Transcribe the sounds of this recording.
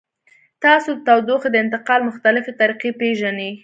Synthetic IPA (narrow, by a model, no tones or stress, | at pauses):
t̪ɑsod̪ət̪awd̪oxd̪əɪnt̪ɪqɑlmʊxt̪alɪfet̪aɾiqepeʒane